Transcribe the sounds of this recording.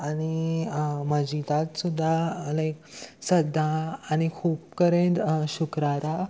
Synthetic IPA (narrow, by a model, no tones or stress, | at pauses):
ani | məd͡ʑit̪at̪sud̪ʱːaəleksəd̪ʱːaːñikʰuːp̚kəɾẽtɕukɾaɾa